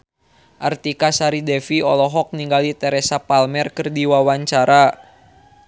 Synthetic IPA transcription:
ʔart̪ikasaɾidɛfiɔlɔɦɔk̚niŋɡalit̪ɛɾɛsapalmɛrkɨrdiwawaɲt͡ʃaɾa

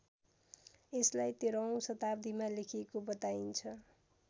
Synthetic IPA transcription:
eslajt̪eɾʌw̃sʌt̪ab̚d̪imalekʰiekobʌt̪aint͡sʰʌ

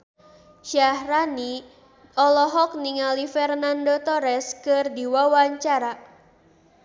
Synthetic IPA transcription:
ʃahrani | ɔlɔɦɔk̚niŋalifɛrnandot̪oɾɛskɨrdiwawaɲt͡ʃaɾa

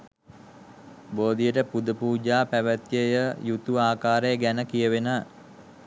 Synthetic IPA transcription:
boːd̪ijəʈəpud̪əpuːd͡ʒaːpæʋət̪jəjəjut̪uaːkaːɾejəɡænəkijəʋenə

